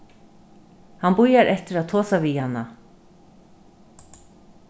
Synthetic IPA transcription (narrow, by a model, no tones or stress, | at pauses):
hanbujaɾʔɛht̪ɪɾaðt̪ʰoːsaviːhanːa